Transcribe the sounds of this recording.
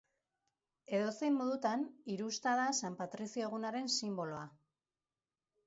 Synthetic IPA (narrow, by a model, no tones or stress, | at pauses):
e̞ðo̞sejmːo̞ðut̪aniɾust̪aðasampat̪ɾisioɣ̞unaɾe̞nsimbo̞lo̞a